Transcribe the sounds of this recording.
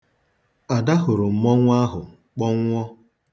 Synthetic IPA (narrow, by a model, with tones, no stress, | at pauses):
a˨da˦ɦʊ˨ɾʊ˨m̩˨mɔ˦ŋʷa˦ɦʊ˨ | k͡pɔ˦ŋːʷ˦ɔ˦